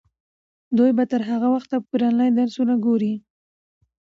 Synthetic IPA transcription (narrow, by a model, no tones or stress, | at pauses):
d̪ujbat̪əɾɦaɣawaxt̪ːapiɾɑnlajd̪aɾsunaɡoɾi